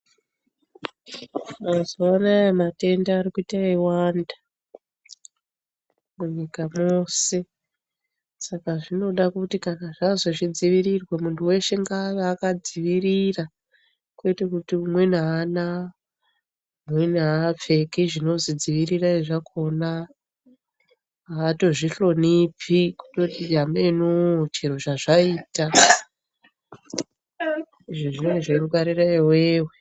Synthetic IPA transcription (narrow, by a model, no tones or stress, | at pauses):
mazoanaemate̞ndaːɾikuitaiwanda | muɲikamo̞se̞ | sakaʐino̞ɗakutikanaʐazo̞ʐid͡ziʋiɾirwemuntuwe̞ʃe̞ŋɡaːʋaːkad͡ziʋirira | kwe̞tekutiumwe̞naːna | uwenaːp͡fe̞kiʐino̞zid͡ziʋiriraeʐakʰo̞na | to̞ʐiɬo̞nipiku̥totid͡ʒamenut͡ʃiɾo̞t͡ʃaʐaiːta | iʐoʐinoneʐeɾukaɾiraiweːwe